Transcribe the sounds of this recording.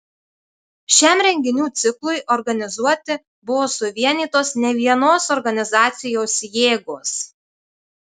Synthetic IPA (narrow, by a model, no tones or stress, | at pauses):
ʃʲæmɾʲɛŋʲɡʲɪnʲuːt̪sʲɪklˠʊɪʔɔɾɡɐnʲɪzuɔt̪ʲɪ | bʊʋoːsʊʋʲiɛnʲiːt̪oːsnʲɛʋʲiɛnoːsɔɾɡɐnʲɪzɑːt̪sʲɪjoːsjeːɡoːs